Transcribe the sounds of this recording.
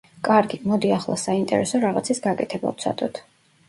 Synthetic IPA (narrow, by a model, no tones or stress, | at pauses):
kʼaɾɡimɔd̪iaχlˠʔa̰saint̪ʼɛ̰ɾɛsɔɾaʁat̪sʰisɡakʼɛt̪ʰɛba̰vt̪sʰa̰t̪ʼɔt̪ʰ